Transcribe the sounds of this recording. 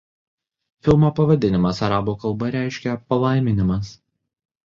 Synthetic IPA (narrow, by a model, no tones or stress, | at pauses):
fʲɪlˠmoːpɐʋɐd̪ʲɪnʲɪmɐsɐɾɑːbuːkɐlˠbɐɾʲæˑɪʃʲkʲɛpɐlˠɑˑɪmʲɪnʲɪmɐs